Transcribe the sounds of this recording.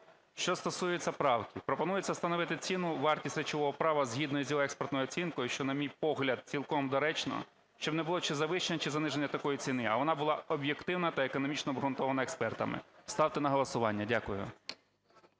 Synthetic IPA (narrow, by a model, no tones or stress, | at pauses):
ʃt͡ʃɔst̪ɔsujɛt͡sʲːɐpɾɑwkʲɪpɾɔpɔnujet͡sʲːɐst̪ɐnɔʋɪt̪ɪt͡sʲinʊʋɑrtʲisʲɾet͡ʃɔʋɔɦɔpɾɑʋɐzɦʲid̪nɔjʊzʲjɔɦɔɛkspɔrt̪nɔjʊɔt͡sʲinkɔjʊʃt͡ʃɔnɐmʲijpɔɦlʲɐd̪̚t͡sʲilˠkɔmd̪ɔɾɛt͡ʃnɔ̰ | ʃt͡ʃɔbnɛbʊlˠɔt͡ʃɛzɐʋɪʃenʲɛt͡ʃɪzɐnɪʒenʲːɐt̪ɐkɔjit͡sʲinɪɐʋɔnɑbʊlˠɑʔɔbje̞kt̪ɪwnɐt̪ɐekɔnɔmʲit͡ʃnɔbɦɾʊnt̪ɔʋɐnɐekspɛrt̪ɐ̰mɪ̰st̪ɑwt̪ɪnɐɦɔlˠɐsʊʋɑnʲːɐdʲakʊjʊ̰